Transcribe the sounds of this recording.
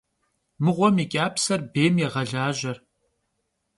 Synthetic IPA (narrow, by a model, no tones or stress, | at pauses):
mɨʁʷɔmikʲʼaːpsɐrbeːmjɛʁɐɮaːʒɐr